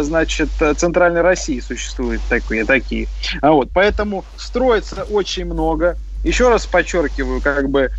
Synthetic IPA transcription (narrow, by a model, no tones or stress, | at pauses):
znat͡ɕɪt̪t̪sɨnt̪ɾalʲnəjɾɐsʲijɪsʊɕːɪ̥st̪vujɪt̪ːɐkʲijət̪ɐkʲijəvo̞t̪̚pɐɛt̪əmʊ | st̪ɾo̞jɪt̪səʔo̞t͡ɕɪnʲmno̞ɡə | jɪɕːo̞ɾaspɐt͡ɕːo̞rkʲɪvəjʊkaɡbɨ